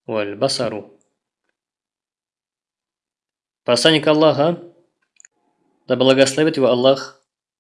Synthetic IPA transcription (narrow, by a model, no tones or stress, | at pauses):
wɐlbasɐɾu | pɐslˠanʲːɪkɐlˠːaɦə | d̪ɐblˠɐɡɐslˠɐvʲit̪jvoɐlˠːax